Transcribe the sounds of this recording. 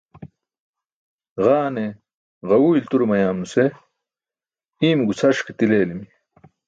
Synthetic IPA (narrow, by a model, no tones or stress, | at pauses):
ʁaːne | ʁɐwuːilt̪uɾmɐjaːmnuse | iːmɡut͡sʰɐʂket̪ileːlimi